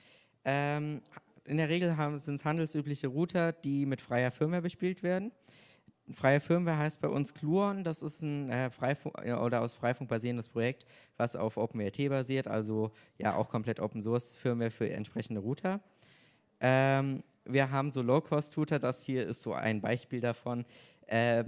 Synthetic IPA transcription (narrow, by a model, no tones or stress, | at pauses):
ʔɛːmʔɪ̰ndeːɐʁ̞eːɡl̩ɦaːzɪnthandl̩sʔyːplɪçəʁuːtʰɐd̥iːmɪtfʁ̥aɪɐfɪɐmɐbəʃpiːltv̥eːɐdn̩ | fʁ̥aɪɐfɪɐməɦaɪst̚b̥aɪʔʊnskʰl̥uːɔnd̥asɪstn̩ʔɛːfʁ̥aɪfʊ̰ʔo̰ːɾɐaʊsfʁ̥aɪfʊŋk̚b̥aziːʁəndəspʁ̥ojɛk̚tv̥asa̰ʊfʔoʊpm̩ɛɐtʰeːbaziːɐtʔa̰lzoja̰ːʔa̰ʊxkʰɔmplɛtʔoʊpn̩zʊɐsfɪɐmefyːɐɛ̰ntʃpʁ̥ɛçn̩dəʁuːtʰɐ | ʔɛːm | viːɐɦaːbm̩zoːloʊkʰɔstʁ̥uːtɐdashiːɐɪ̰stz̥o̰ːʔa̰ɪnba̰ɪʃpiːldafɔn | ʔɛː